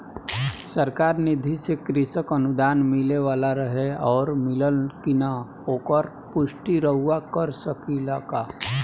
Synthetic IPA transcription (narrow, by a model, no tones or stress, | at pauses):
səɾkaːɾnɪd̪ʱisekɾɪsəkənʊd̪aːnmɪleʋaːlaɾəɦeɔːɾmɪləlkɪna | oːkəɾ | pʊʃʈiɾəɦʊwakəɾsəkilaːkaː